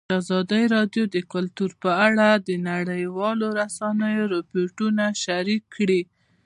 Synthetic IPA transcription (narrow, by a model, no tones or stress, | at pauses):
azɑd̪əjɾɑɖjod̪əkʊlt̪uɾpəaɽad̪ənaɽəjwɑloɾasɑnəjoɾɪpoʈunaʃaɾikʰːɽi